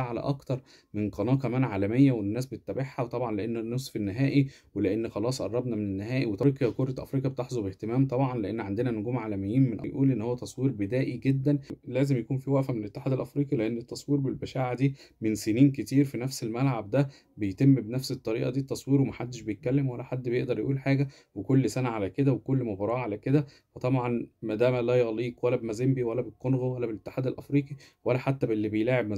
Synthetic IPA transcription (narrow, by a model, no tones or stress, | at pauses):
ʕalæ̰ʔɑkt̪ɑɾˤ | menqɑnɑːkæmæːnʕaːlæmejːæwenːæːsbet̪et̪ːæbeħːæwt̪ˤɑbʕɑnleʔenːnːosfinːeɦæːʔi | weleʔenːxɑlɑːsˤʔɑ̰rˤːɑbnɑmenenːeɦæːʔiwet̪ɾːqjkoɾˤɑʔæ̰fɾiːqjɑbet̪eħzˤobeht̪emæːmt̪ˤɑbʕɑnleʔenːʕand̪enænoɡuːmʕaːlæmejːiːnmenʔæ̰jʔuːlʔenːhowːæt̪ɑsˤwiːɾbed̪æːʔiɡed̪ːænlæːzemjækuːnfiwæʔfæmenlʔet̪ːeħaːd̪ælʔæfɾiːqileʔenːet̪ːɑsˤwiːɾbelbæʃæːʕad̪iːmenseniːnket̪iːɾfinæfselmælʕab̚d̪æ | bejt̪emːbenæfset̪ˤːɑɾiːʔɑd̪iːt̪ːɑsˤwiːɾwemæħad̪ːeʃbejet̪̚kælːemwælːæħad̪ːbejeʔd̪ɑɾˤjʔuːlħaːɡæ | wekolːsænæʕalæked̪æwekolːmobɑɾˤɑːʕalæked̪æ | wet̪ˤɑbʕɑnmæd̪æːmælæjɑɣliːkwælːæbemæzembiwælːæbet̪qonɣowælːæbelʔet̪ːe̥ħaːd̪ælʔæfɾiːqiwælːæħat̪ːæbelːibejlaːʕeb̚mæ